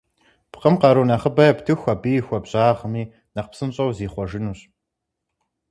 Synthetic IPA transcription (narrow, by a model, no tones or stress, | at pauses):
pqəmqɑɾunɐχəbɐɐptʰɨxʷɐbiːxʷɔbɕʼaːʁəmiː | nɐqpsɨmɕʼɐwziːχʷɔʒɪnuːɕ